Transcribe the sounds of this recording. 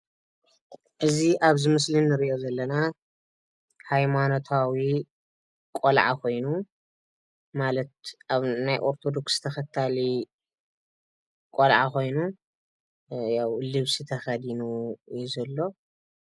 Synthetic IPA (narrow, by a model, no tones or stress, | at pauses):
ʔɨziʔaβzɨmɨslinːɨɾiʔo̞zɐlːɐna | hajmano̞t̪ʰawi | kʼolʕa̰kʰo̞jnu | malɐt̪̚aβnajʔo̞ɾt̪ʰo̞d̪o̞kst̪ʰɐxɐt̪ʰːali | kʼolʕa̰kʰo̞jnu | jawlɨβsit̪ʰɐxɐd̪inujuzɐlːo̞